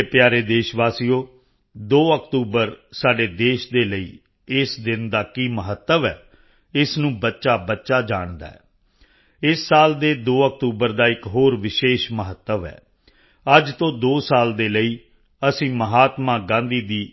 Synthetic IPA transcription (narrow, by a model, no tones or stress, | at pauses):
epjaːɾeːd̪eːʃʋaːsijoː | d̪oːəkt̪uːbəɾsaːɖeːd̪eːʃd̪eːləḭː | ɪsd̪ɪnd̪aːkiːməɦət̪ːəʋɛː | ɪsnũːbətːʃaːbətːʃaːd͡ʒaːɳd̪a̰ːɛ̰ː | ɪsːaːld̪eːd̪oːək̚t̪uːbəɾd̪aːɪkɦoːɾʋɪʃeːʃməɦət̪ːəʋɛ̰ː | əd͡ʒt̪õːd̪oːsaːld̪eːləiː | əsĩːməɦaːt̪mãːɡãːnd̪iːd̪iː